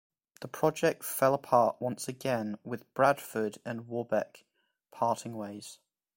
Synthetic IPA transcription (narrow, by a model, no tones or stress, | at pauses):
ðəpʰɹ̥ɒd͡ʒɛk̚tfɛləpʰɑˑʔwʌ̃nsəɡɛ̃nwɪðb̥ɹad̥fədə̃nwɔːbɛk | pʰɑˑtʰɪ̃ŋweɪz̥